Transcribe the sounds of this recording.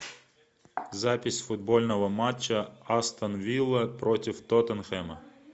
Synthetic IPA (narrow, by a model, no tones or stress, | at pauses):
zapʲɪsʲfʊd̪̚bɔlʲnɔɦɔmat͡ʃːɐast̪ɐnʋʲilˠɐpɾɔtʲiwt̪ɔt̪ɐnxɛmɐ